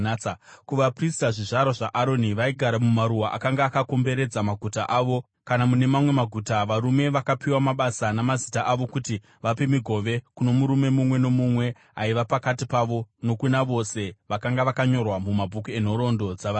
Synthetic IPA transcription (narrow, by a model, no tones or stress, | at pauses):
akuʋapristaʐiʐaɾoʐaʔaɾo̞niʋaiɡʱaɾamumaɾuwaʔa̰kaŋɡaːkako̞mbe̞ɾe̞d͡zamaɡʱutaʔaːʋo̞ | kanamune̞mamwe̞maɡʱutaʋaɾume̞ʋakapiwamaɓasanamazitaʔaʋo̞kuti | ʋape̞miɡʱo̞ʋe̞kuno̞muɾume̞mumwe̞no̞mumwe̞ | aiʋapakatipaʋo̞no̞kunaʋo̞se̞ʋakaŋɡaʋakaɲo̞rwamumabʱukue̞n̤o̞ɾo̞ndo̞d͡zaʋa